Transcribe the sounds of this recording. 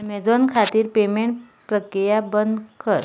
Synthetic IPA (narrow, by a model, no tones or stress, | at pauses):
med͡zɔnkʰat̪iːɾpemeɳʈ | pɾəkɾijabənd̪kʰəɾ